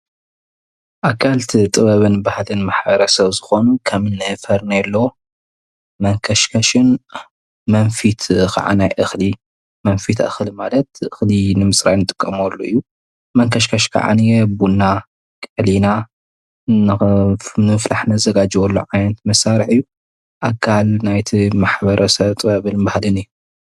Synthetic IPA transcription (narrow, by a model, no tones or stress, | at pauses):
ʔakʰːalt̪ʰit̪ʼɨβɐβɨnbahalɨnmaħbɐɾɐsɐβzɨxo̞nukʰɐmɨnːɨfɐɾnajɛlːo | mɐŋkʰɐʃkʰɐʃɨn | mɐnfit̪kʰa̰ʕa̰najʔɨxli | mɐnfit̪ʔa̰xɨlmalɐt̪ʔɨxlinɨmɨsɾajnɨt̪ʼɨ̥kʼːɐmɔlːoɨjːu | mɐŋkʰɐʃkʰɐʃkʰa̰ʕa̰njɛbunːa | kʼɨʕlina | n | nɨɨflaħnɐzɐɡad͡ʒiwɔlːo̰ʕajɐnt̪mɐsaɾiħɨjːu | ʔakʰːalnajt̪ʰimaħbɐɾʔɐsɐβt̪ʼɐβɨlɨnbahlɨnɨjːu